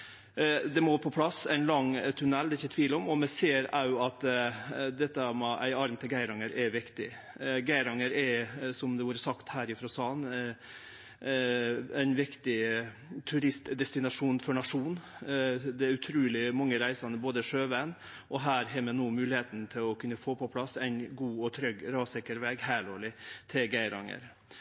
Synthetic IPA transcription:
d̪ɛmopʰɔpʰlɑsæɪnlɑŋt̪ʰʉnɛld̪ɛɪçːət̪ʰʋiːlɔmɔmɛseːɾɑʊɑt̪ | d̪ɛt̪ːəmɛʔæ̰ɪɑɾmt̪ʰɪlɡæɪɾɑŋəɾʔɛʋɪkt̪ɪ | ɡæɪɾɑŋəɾɛsɔmd̪ɛʋuːɾəsɑkt̪hæːɾɪfɾɔsɑːn | ɛɪnʋɪkt̪ɪ | t̪ʰʉɾɪst̪d̪ɛst̪ɪnɑʂuːnfɔɳɑʂuːn | d̪ɛæɾʉt̪ʰɾuːlɪmɑŋːəɾæɪsɑnəboːd̪əʂøːʋæn | ʔɔɦæːɾɦɛːmɛnoːmʉːlɪheːt̪nt̪ʰɪlɔkʰʉnːəfoːpʰɔpʰlɑsæɪnɡuːɔt̪ʰɾœɡɾɑːsɛkəɾʋɛɡhæːloːɭɪt̪ʰɪlɡæɪɾɑ̰ŋə̰ɾ

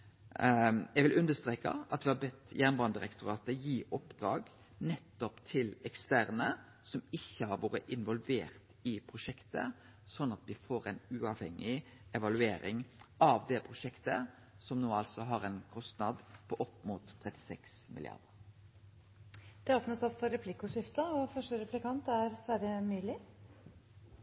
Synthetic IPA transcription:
jɛɡʋɪlʔʉnd̪əst̪ɾeːkɑ̰ɑt̪ʋɪhɑbɛt̪ːjæːnbɑːnd̪ɪɾɛkt̪ʊɾɑːt̪əjiːʔɔpd̪ɾɑːɡ | nɛt̪ːɔpt̪ʰɪlɛkst̪æɾnə | sɔmɪçːəhɑɾʋoːɾəʔɪnʋɔlʋeːɾt̪ɪpʰɾʊʃɛkt̪ə̰ | sɔnːɑt̪ʋɪfoːɾæɪnʉːɑʋhɛŋːɪ | ɛʋɑlʉeːɾɪ̰ŋɑʋd̪ɛpʰɾʊʃɛkt̪ə̰ | sɔmnoːɑlsɔɦɑɾɛnkʰɔst̪nɑd̪pʰoːʔɔpːmuːt̪ʰːɾɛt̪ːɪ̥sɛksmɪlɪ̰ɑ̰ʁd̪əɾ | d̪̥ɛoːpnət̪sɔpːfɔɾɛpʰlɪkʊʂɪft̪əɔfœʂʈəɾɛplɪkɑnt̪æɾsʋæɾəmyːlɪ

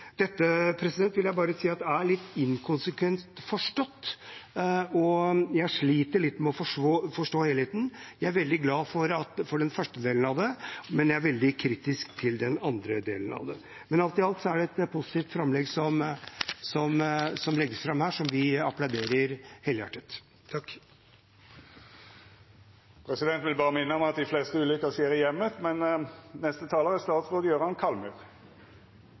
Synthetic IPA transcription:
d̪̥ɛt̪ːəpʰɾɛsɪd̪ɛnt̪ʋɪljæɪbɑːɾəsiːɑt̪d̪ɛæɭɪt̪ːɪŋkʰʊnsəkʰʋɛnt̪fɔʂʈɔt̪ː | ɔjæʂɭiːt̪əɭɪt̪ːmɛɔfɔʂfɔʂʈoːheːlheːt̪n̩jæɪæɾʋɛld̪ɪɡlɑːfɔɾɑt̪fɔɖɛnfœʂʈəd̪eːlən̩ɑʋd̪ɛmɛnjæɪæɾʋɛld̪ɪkʰɾiːt̪ɪskt̪ʰɪld̪ɛnɑnd̪ɾəd̪ḛːlənɑ̰ʋd̪ɛ̰ | mɛnɑlt̪ɪɑlt̪sɔæɖɛɛt̪pʰʊsɪ̥t̪iːft̪fɾɑmːlɛɡsɔmsɔmsɔmlɛɡːəsfɾɑmhæːʂɔmʋɪɑplaʊd̪eːɾəɾhɛləjɑ̰ʈːət̪ | t̪ʰːɑkː | pʰɾɛsɪd̪ɛnt̪ʋɪlbɑːʁəmɪnːəɔmɑt̪̚d̪ɪfleːst̪əʉːlʏkːəseːɾɪjɛmːət̪mɛnnɛst̪ət̪ʰɑːləʁæst̪ɑːt̪sʁoːd̪əjøːɾəhɑnkʰɑlmʉʁ

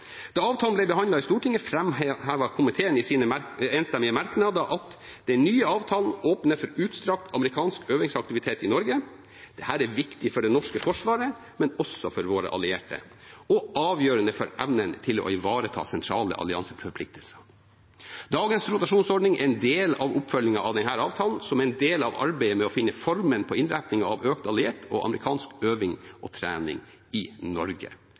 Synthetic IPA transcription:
d̪̥ɑɑːʋt̪ʰɑːlnblɛbəhɑnd̪ɑɪst̪uːʈʰɪŋəfɾɛmhæːʋɑkʰʊmɪt̪ʰeːənɪsiːnəeːnst̪ɛmːɪəmæɾknɑːd̪ɑʔɑt̪ | d̪ɛnyːəɑːʋt̪ʰɑːln̩oːpnəfɔɾʉːt̪st̪ɾɑk̚t̪ʰɑməɾɪkʰɑːnskøːʋɪŋsɑk̚t̪ɪʋɪt̪ʰeːt̪ɪnɔɾɡə | d̪̥ɛhæːɾæɾʋɪkt̪ɪfɔɖɛnɔʂkəfɔʂʋɑːɾə | mɛnɔsɔfɔɾʋoːɾə̰ʔɑ̰lɪeːʈə̰ɔʔɑːʋjøːɾənəfɔɾʔæʋnənt̪ʰɪlɔ̰ɪʋɑːɾət̪ʰɑ̰ːsɛnt̪ʰɾɑːlə̰ʔɑ̰lɪɑnsəfɾfɔɾplɪk̚t̪əlsə̥ | d̪ɑːɡənsɾʊt̪ɑʂuːnsɔɖɳɪŋɛ̰ɾɛnd̪eːlɑ̰ʋʊpːfœljɪŋɑʔɑʋd̪ɛnhæːɾɑːʋt̪ʰɑːlnsɔmɛɛnd̪eːlɑ̰ʋɑ̰ɾbæɪəmɛɔfɪnːəfɔɾmənpʰɔɪnɾæpnɪŋɑɑʋøːkt̪ɑlɪeːʈʰɔ̰ʔɑ̰məɾɪkʰɑːnskøːʋɪŋʔɔt̪ʰɾæːnɪ̰ŋ | ɪnɔɾɡə̰

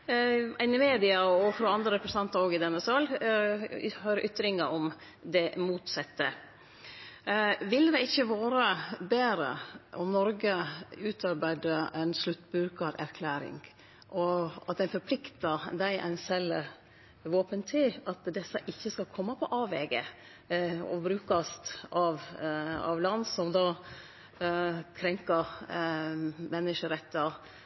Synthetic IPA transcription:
ɪnːɪmeːd̪ɪɑɔfɾɔːɑnd̪ɾəɾɛpɾəsnɑnt̪ɑɾoːɡɪd̪ɛnːəsɑl | høːɾʔʏt̪ːɾɪŋəɔm | d̪ɛmuːt̪sɛt̪ːə̰ | ʋɪld̪ɛɪçːəʋɑːɾəbeːɾə̰ʔɔmnɔɾɡəʉːt̪ʰɑɾbæɪd̪əɛɪnslʉt̪ːbɾʉːkɑɾæɾkʰlæːɾɪ̰ŋ | ʔɔɑ̰t̪̚d̪ɛnfɔɾpʰlɪkt̪əd̪æɪʔɛ̰ɪnsɛlə | ʋoːpənt̪ʰɪlɑt̪d̪ɛsəʔɪçːəskɑkʰɔmːəpʰɔʔɑːʋɛɡə̰ | ɔ̰bɾʉːkɑst̪ɑʋɑ̰ʋlɑnːsɔmd̪ɑː | kʰɾɛŋkəɾ | mɛnːəʃəɾɛt̪ːɑ

